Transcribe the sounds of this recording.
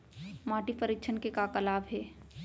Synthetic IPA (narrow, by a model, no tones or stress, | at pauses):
maːʈipəɾɪkt͡ʃʰənkekakəlaːbɦɛː